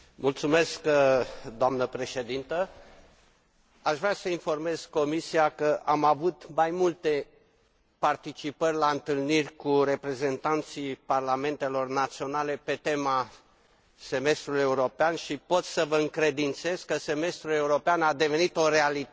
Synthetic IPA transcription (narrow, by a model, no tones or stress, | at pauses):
mult̪sume̞skd̪oamnəpɾe̞ʃe̞d̪int̪ə | aʃvɾʲasəinfo̞rme̞z̥ko̞misiakəʔamavut̪majmult̪e̞ | part̪it͡ʃipərʲlaɨnt̪ɨlnirʲkuɾe̞pɾe̞ze̞nt̪ant̪sijparlame̞nt̪e̞lo̞rnat̪sio̞nale̞pe̞t̪e̞ma | se̞me̞st̪ɾuluje̞uɾo̞peanʃipo̞t̪ssəvəɨŋkɾe̞d̪int̪se̞zkəse̞me̞st̪ɾule̞uɾo̞peanad̪e̞ve̞nit̪o̞ɾeali